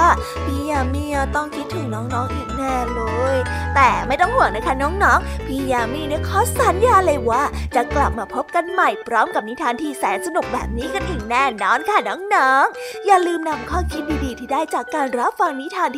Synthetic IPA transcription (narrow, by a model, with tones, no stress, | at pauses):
a˥˩ | pʰiː˧˩jaː˧mi˧˩ət̪ɔ˥˩ŋkʰi˦˥t̪ʰːɯ˨˩˦ŋnɔː˦˥ŋnɔː˦˥ŋʔi˨˩k̚nɛː˥˩lɤː˧jt̪ɛː˨˩ma˥˩jt̪ɔ˥˩ŋhu˨˩əŋna˦˥kʰa˦˥nɔː˦˥ŋnɔː˦˥ŋpʰiː˧˩jaː˧mi˧˥˨ni˥˩əkʰɔː˦˥saː˨˦njaː˧lɤː˧jwaː˥˩t͡ɕa˨˩kla˨˩p̚maː˧pʰo˦˥p̚ka˧nma˨˩jpʰɾɔː˦˥mka˨˩p̚ni˦˥t̪ʰaː˧nt̪ʰiː˥˩sɛ̰ː˩˦nsa˧nu˨˩k̚bɛ̰ː˨˩p̚niː˦˥ka˧nt̪ʰɯ˨˩˦ŋnɛː˥˩nɔː˧˩nkʰa˦˥˩nɔː˦˥ŋnɔː˦˥ŋjaː˨˩lɯː˧mna˧mkʰɔː˥˩mkʰi˦˥t̪̚diː˧diː˧t̪ʰiː˥˩daː˥˩jt͡ɕaː˨˩kːaː˧nɾa˦˥p̚fa˧ŋni˦˥t̪ʰaː˧nt̪